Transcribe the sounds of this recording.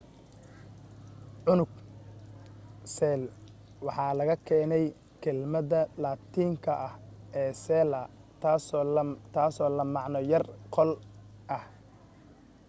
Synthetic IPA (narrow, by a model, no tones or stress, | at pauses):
ʕʊnʊɡ̚ | sɛːl | wɑħɑːlɐɣɐkʰɛːnɛj | kʰɛlmɐðɐlaːt̪ʰiːŋkʰɐʔɐhɛːsɛːlɐ | st̪ʰaːsɔːlɐmɑʕnɔjɐrqʰɔlʔɐh